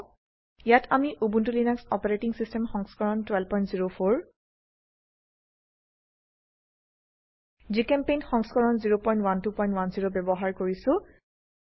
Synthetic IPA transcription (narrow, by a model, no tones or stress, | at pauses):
jatʰamiʔubuntulinaksɔpaɹetiŋsistɛmxɔŋskɔɹɔntwɛlpɔj̃ntziɹopʰoɹ | zikɛmpejnxɔŋskɔɹɔnziɹopɔjntwantupɔjntwanziɹobɛbɔɦaɹkoɹisʊ̃